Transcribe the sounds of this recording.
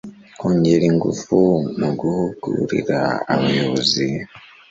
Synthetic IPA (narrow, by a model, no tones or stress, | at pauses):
oɲɟeɾiŋɡṵfumuɡuhuɡṵɾḭɾaaβajoβozi